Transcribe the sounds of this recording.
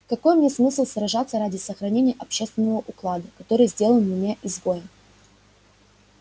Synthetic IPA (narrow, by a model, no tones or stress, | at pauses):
kɐko̞jmnʲesmɨsʲlˠsɾɐʐat̪sːəɾadʲɪsəxɾɐnʲenʲɪjəʔɐpɕːe̞st̪vʲɪnːəvəʔʊklˠad̪əkɐt̪o̞ɾɨjzʲdʲe̞lˠənmʲɪnʲeʔɪzbojə